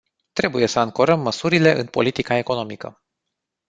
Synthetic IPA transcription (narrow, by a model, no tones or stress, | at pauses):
t̪ɾe̞buje̞səːŋko̞ɾəmːəsuɾile̞ʔɨnpo̞lit̪ikae̞ko̞no̞mikə̰